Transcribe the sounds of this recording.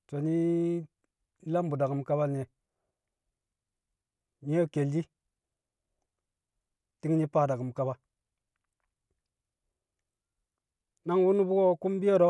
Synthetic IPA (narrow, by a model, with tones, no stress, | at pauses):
to˨ni˦ | la˦mbu˨da˨ki˨mka˦ba˦lne˨ | je˦˨ke˨ldi˦ | ti˦ŋ˦ni˦pa˦˨da˨ki˨mka˦ba˦ | na˦ŋwu˦nu˦bu˦ko˦˨ku˦mbi˦jo˦ɾo˦